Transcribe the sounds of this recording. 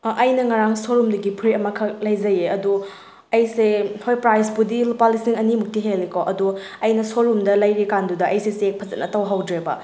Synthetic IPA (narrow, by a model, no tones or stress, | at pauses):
ʔɐjnɐŋaɾaŋsoɾumduɡipʰɾiɐmɐkʰɐklɐjzɐjeɐdu | ɐjsehojpɾajspudilopalisiŋɐnimuk̚tiɦelːikoʔɐdu | ɐjnɐsoɾumdɐlɐjɾikandudɐʔɐjsesek̚pʰɐzɐ̰t̚nɐtɐwɦawdɾebɐ̰